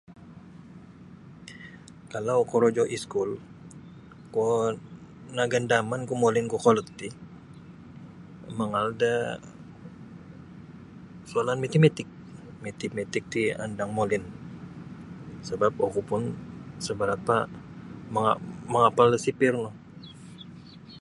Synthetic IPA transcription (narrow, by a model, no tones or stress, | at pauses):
kalawkoɾod͡ʒɔʔiskul | ko | naɡandamankumolɪnkokolət̪ːi | məŋalda | sualanmet̪imet̪ɪk̚met̪imet̪ɪk̚t̪ia̰ndaŋmolɪn | səbap̚okupʊnsəbəɾapa | məŋaməŋapaləsipɪrlɔ